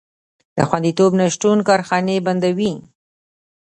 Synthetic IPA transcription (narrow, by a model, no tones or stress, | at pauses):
d̪̥əxwand̪it̪obnaʃʈunkɑɾxɑneband̪awi